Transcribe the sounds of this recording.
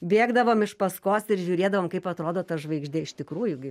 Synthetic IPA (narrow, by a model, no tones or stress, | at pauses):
bʲeːɡd̪ɐʋoːmɪʃpɐskoːsɪɾʒʲuːɾʲeːd̪ɐʋoːmkɐɪpɐt̪ɾoːd̪oːt̪ɐʒʋɐɪɡʒʲd̪ʲeːɪʃt̪ʲɪkɾuːjʊɡʲɪ